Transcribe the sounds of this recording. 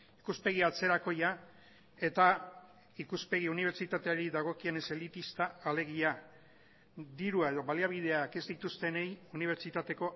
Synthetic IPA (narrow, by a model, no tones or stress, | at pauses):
ikuspe̞ɣ̞iat͡se̞ɾako̞ja | e̞t̪a | ikuspe̞ɣiuniβ̞eɾt͡ʃit̪at̪eaɾiðaɣ̞o̞kiene̞selit̪ist̪aːle̞ɣ̞ia | d̪iɾuae̞ðo̞βaliaβ̞ið̞e̞ake̞zd̪it̪ust̪e̞ne̞juniβ̞e̞ɾt͡ʃit̪at̪e̞ko̞